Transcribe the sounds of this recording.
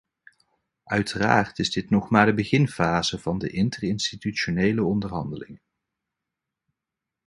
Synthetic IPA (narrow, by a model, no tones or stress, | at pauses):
ʔœɥtəra̰ːrtɪzdɪtnɔχmaːɹdəbəχɪnfaːzəv̥ɑndəʔɪntərɪnstityʃonejləɔndərɦɑndəlɪ̰ŋə